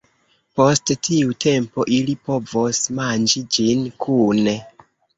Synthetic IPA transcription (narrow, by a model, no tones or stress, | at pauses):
po̞sttʰiutʰe̞mpo̞ʔilipo̞vosmand͡ʒid͡ʒinkʰune